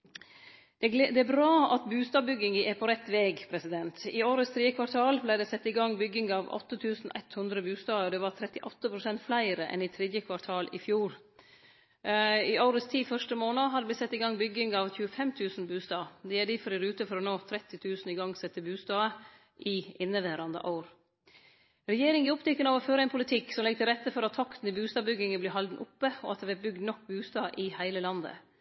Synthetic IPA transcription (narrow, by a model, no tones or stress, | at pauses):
d̪ɛæbɾɑːɑt̪bʉːst̪ɑːbʏɡɪŋəʔɛpʰɔɾɛt̪ːʋeːɡpʰɾɛsɪd̪ɛnt̪ɪoːɾəst̪ʰɾiːəkʰʋɑɾʈ̪ʰɑːlblæɪd̪ɛsɛt̪ːɪɡɑŋːbʏɡɪŋɑʋɔ̰t̪ːət̪ʰʉːsn̩æ̰ɪt̪hʉnd̪ɾəbʉːst̪ɑːɔd̪ɛʋɑt̪ʰɾɛt̪ːɪʔɔt̪ːəpʰɾʊsɛnt̪flæɪɾəʔɛ̰nɪt̪ʰɾɛːd̪jəkʰʋɑʈ̪ʰɑːlʔɪ̰fjuːɾ | ɪɑʊɾəst̪ʰiːfœʂʈəmoːnɑɦɑd̪ɛblɪt̪sɛt̪ːɪɡɑŋbʏɡɪŋɑʋçʉːəfɛmt̪ʰʉːsn̩bʉːst̪ɑːd̪ɛæɖifɔɾɪɾʉːt̪əfɔɾɔnoːt̪ʰɾɛt̪ːɪt̪ʰʉːsn̩ɪɡɑŋsɛt̪ːəbʉːst̪ɑːə | ʔɪɪnːəʋæːɾɑnd̪ə̰ʔɑʊɾ | ɾɛjeːɾɪŋɪɔpt̪ʰɛkːənɑʋɔføːɾəɛɪpʰʊlɪt̪ʰɪksɔmlɛɡət̪ɪlɾɛt̪ːəfɔɾɑt̪ʰːɑkt̪n̩ɪbʉːst̪ɑːbʏɡɪŋəblɪːɦɑld̪n̩ʔʊpːəɔ̰ɑt̪d̪ɛʋæbʏɡd̪nɔkːbʉːst̪ɑːʔɪhæɪləlɑnd̪ə̰